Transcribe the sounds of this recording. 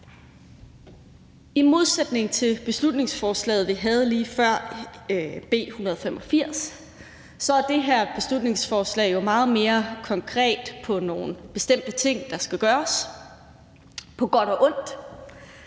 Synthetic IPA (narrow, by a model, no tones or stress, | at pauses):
imo̝ð̞ˠsed̥ne̝ŋ̩t͡sʰe̝lb̥e̝slud̥ne̝ŋsfɒːslɛ̰ːð̩ˠʋiɦæð̞̩ˠliːfɶɐ̰ | b̥e̝̰ːhunɐð̞̩ˠfemʔɒ̽fiɐ̰s | sɒ̽æɐd̥e̝ɦeɐ̰b̥e̝slud̥ne̝ŋsfɒːslɛ̰ːjo̝mɑ̈ːð̞̩ˠme̝ːɐkʰɒ̽ŋkʰʁɛ̰ːd̥pʰɒ̽no̝ːn̩b̥e̝sd̥em̰d̥ət͡sʰe̝ŋ̰d̥ɑ̈sɡ̥æɡ̥ɶːɐs | pʰɒ̽ɡ̥ɒ̽ɾ̥ɒ̽ʔɔ̽n̰d̥